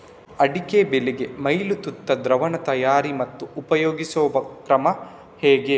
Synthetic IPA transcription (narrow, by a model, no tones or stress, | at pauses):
ɐɽikebeleɡemɐjlut̪ut̪ːɐd̪ɾɐʋɐɳɐt̪ɐjaːɾimɐt̪ːuːpɐjoːɡisɔːbɐkɾɐmɐ | hɛːɡe